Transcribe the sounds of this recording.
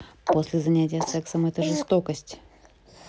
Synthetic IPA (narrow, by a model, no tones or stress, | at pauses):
po̞sʲlʲɪzɐnʲætʲɪjəsɛksəmɛt̪əʐɨst̪okəsʲtʲ